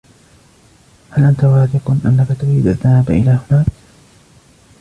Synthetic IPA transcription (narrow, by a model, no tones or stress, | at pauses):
halʔant̪awaːθɪqnʔa̰nːakat̪ʊɾiːd̪ʔaðːahaːbaʔɪlaːhʊnaːk